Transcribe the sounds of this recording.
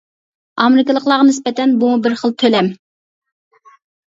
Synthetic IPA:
ɑmɪɾɪkʲɪlˠəqlˠɑʁɑnɪspɛt̪ɛnbumubɪɾχəlˠt̪ʰølɛm

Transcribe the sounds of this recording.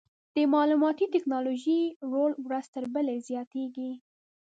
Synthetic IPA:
d̪̥əmɑlumɑt̪it̪ɪknɑloʒiɾolwɾəzt̪əɾbəlezjɑt̪eɡi

